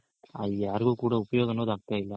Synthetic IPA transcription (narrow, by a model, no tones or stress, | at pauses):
ɐðjaːɾɯɣɯ̃kuːɽɐʊpɐjoːɣɐnoːðɐk̚t̪aːɪlːɐ